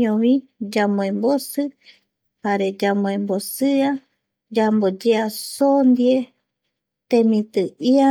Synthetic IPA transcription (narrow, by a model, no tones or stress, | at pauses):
õβĩd͡ʒamõẽmbosɨ | haɾed͡ʒamõẽmbosɨa | d͡ʒambod͡ʒeasond̪ie | t̪emĩt̪ɨia